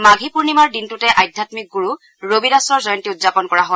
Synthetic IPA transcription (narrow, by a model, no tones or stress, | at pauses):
maɡʱipuɹnimaɹdintutɛʔajdʱjatmik̚ɡuɹu | ɹobidasɔɹzɔjɔntiʊtzapɔnkɔɹaɦol